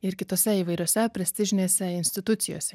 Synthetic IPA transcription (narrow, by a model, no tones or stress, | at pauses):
ɪɾkʲɪt̪oːsʲɛiːʋɐɪɾʲuɔsʲɛpʲɾʲɛsʲt̪ʲɪʒʲɪnʲeːsʲɛɪnʲsʲt̪ʲɪt̪ʊt̪sʲɪjo̰ːsʲɛ